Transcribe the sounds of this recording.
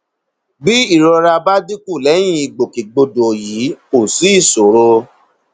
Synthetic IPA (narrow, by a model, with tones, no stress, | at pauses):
bi˦i˦˨ɾɔ˧ɾa˧ba˦di˦ku˦˨lɛ˨˦j̃ĩ˦i˨ɡ͡bo˨ki˨ɡ͡bo˧do˨ji˨˦ko˨si˨˦i˦˨so˨ɾo˧